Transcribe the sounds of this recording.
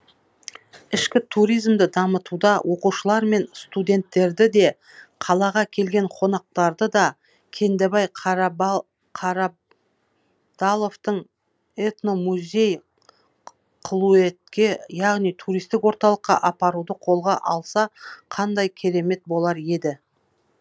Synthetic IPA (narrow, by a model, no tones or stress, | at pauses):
ɪʃkʲɪt̪ʰuɾijzmd̪ɪd̪ɑmət̪ud̪ɑwʔo̞quʃəlˠɑɾme̞nst̪ud̪ʲe̞nt̪ːe̞ɾd̪ɪd̪e̞ | qʰɑlˠɑʁɑkʲʰe̞lɡʲe̞ɴqʰo̞nɑq̚t̪ɑɾd̪əd̪ɑ | kʲʰe̞nd̪ebɑj | qʰɑɾɑ | d̪̥alˠo̞ft̪əɴ | et̪no̞muzʲe̞j | qʰlˠue̞t̪̚kʲe̞jɑʁnijt̪ʰuɾijst̪ɪkwo̞ɾt̪ɑlˠəqːɑ̰ʔɑpɑɾud̪əqʰo̞lˠʁɑʔɑlˠsɑqʰɑnd̪ɑjkʲʰe̞ɾe̞me̞t̪̚bo̞lˠɑɾe̞d̪ɪ